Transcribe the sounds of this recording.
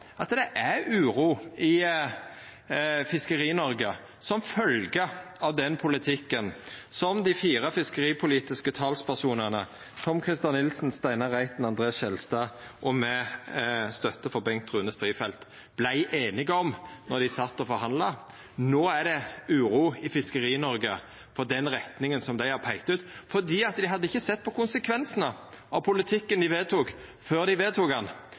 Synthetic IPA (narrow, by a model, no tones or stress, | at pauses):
ʔɑt̪d̪ɛʔæɾʉːɾuːɪ | fɪskəɾiːnɔɾɡə | sɔmfœlɡəɑʋd̪ɛnpʰʊlɪt̪ʰɪkːənsɔmd̪ɪfiːɾəfɪskəɾiːpʰʊliːt̪ɪskət̪ʰɑːlspʰæsuːnənə | t̪ʰɔmkʰʁɪst̪ɑnːɪlsnst̪æɪnəɾæɪt̪nɑnd̪ʁeːɑsʃɛlst̪ɑːʔɔmɛ | st̪œt̪ːəfɔbɛŋkt̪ʁʉːnəst̪ɾiːfɛlt̪ | b̥læɪʔeːnɪɡəɔmnɔɾd̪ɪsɑt̪ːɔfɔɾɦɑnd̪lɑ | noːæd̪ɛʉːɾuːɪfɪskəɾiːnɔɾɡə | fɔd̪ɛnɾɛt̪nɪŋənsɔmd̪æɪhɑɾpʰæɪkt̪ʉːt̪fɔʁd̪iːɑt̪d̪ɪɦɑd̪ːəɪçːəsɛt̪̚ːpʰɔkʊnsəkʰʋɛnsənə | ɑʋpʰʊlɪt̪ʰɪkːənd̪ɪʋeːt̪ʰuːk | føːɾd̪ɪʋeːt̪ʰuːkɑn